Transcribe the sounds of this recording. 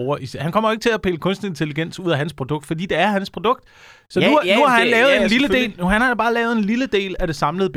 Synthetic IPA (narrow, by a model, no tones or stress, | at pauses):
ʊɐʔishænkʰɒ̽m̰ɐe̝ɡ̥ət͡sʰe̝læpʰe̝ːləkʰɔ̽nsd̥n̩əe̝nt͡sʰe̝liɡ̥en̰suð̰ˠæɦænspʰʁo̝d̥ɔ̽ɡ̥d̥fɒ̽d̥ḭːd̥eæɐhænspʰʁo̝d̥ɔ̽ɡ̥̚d̥ | sɒ̽nunuhɑ̈hænlɛːʊð̩ˠennliləde̝̰ːlnuhænhɑ̥̈obɑ̈ːlɛːʊð̞̩ˠe̝nliləd̥e̝̰ːlæd̥e̝sɑ̈mləð̞̩ˠb